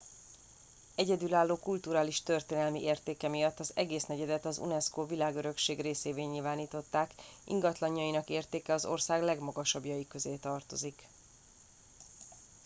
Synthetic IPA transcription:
ɛɟɛd̪ylaːlːoːkult̪uːɾaːliʃt̪ø̞rt̪eːnɛlmiʔeːrt̪eːkɛmijɒt̪ːɒzɛɡeːsnɛɟɛd̪ɛt̪ɒzṵnɛskoːvilaːɡøɾø̞kʃeːɡreːseːveːɲilvaːniːt̪o̞t̪ːaːkʔḭŋɡɒt̪lɒɲːɒjinɒkeːrt̪eːkɛɒzo̞̰rsaːɡlɛɡmɒɡɒʃɒbjɒjikø̞zeːt̪ɒrt̪o̞zik

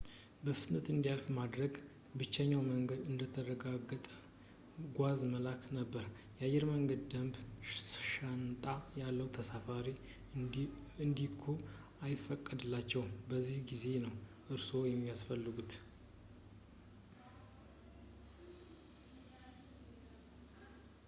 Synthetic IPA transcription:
bəfɨt̪nət̪ɨnd̪ijalfmad̪ɾəɡ | bɨt͡ʃːəɲːawməŋɡəd̪ɨnd̪ət̪ʰəɾəɡaɡət̪ʼə | ɡʷazməlakʰnəbːəɾ | jɛajːɛɾməŋɡəd̪d̪əmb | ʃant̪ʼajalːəwt̪ʰəsafaɾi | ɨnd̪ikʰo | ajɪfːəkʼːəd̪ɨlːat͡ʃːɛwbəzːihɡize̞nəw | ʔɨɾso̞jɛmːijasfəlːɨɡut̪

